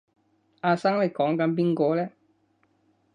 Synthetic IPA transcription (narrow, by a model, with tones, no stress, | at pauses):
ʔaː˧saː˥ŋle˨˩jkɔː˨˥ŋkɐ˨˥np̬iː˥nkɔː˧lɛː˥